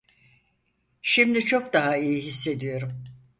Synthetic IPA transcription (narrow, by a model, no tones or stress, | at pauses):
ʃimd̪it͡ʃʰo̞kd̪aɦaijiɦisːe̞d̪ijo̞ɾum